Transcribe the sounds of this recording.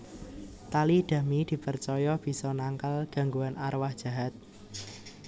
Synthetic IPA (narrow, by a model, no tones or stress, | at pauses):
t̪alihd̪̥a̤mid̪̥i̤pərt͡ʃɔjɔb̥i̤sɔnaŋkalɡ̥ä̤ŋɡuanʔarwahd̥ʒ̥ä̤ɦat̪̚